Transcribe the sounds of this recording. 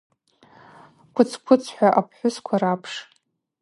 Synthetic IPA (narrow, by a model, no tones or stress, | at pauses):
kʷʰʊt͡sʰkʷʰʊt͡sʰħʷᶣaʔapʰħʷʊskʷʰarapʰʂ